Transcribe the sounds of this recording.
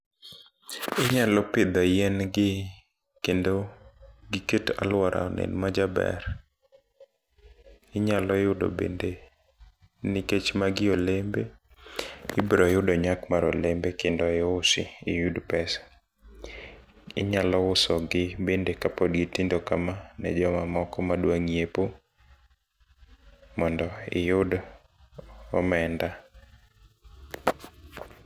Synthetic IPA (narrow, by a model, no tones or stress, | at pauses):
ɪɲalɔpɪd̪ɔijɛnɡɪ | kendoɡiketa̰lwɔɾa̰ɔnɛ̰nmad͡ʒabɛ̰ɾ | ɪɲalɔɪjʊdo̰bḛnde | nɪket͡ʃmaɡɪolembe | ɪbɾɔjʊdoɲakmaɾɔ̰lembekendɔjɔʊsɪɪjudpɛsḁ | ɪ̰ɲalɔʊsɔɡɪbendekapɔdɡitindokamanɛ̰d͡ʒɔmamɔkɔmadwaŋijepo | mɔndɔɪ̰jʊd | ɔ̰mɛnda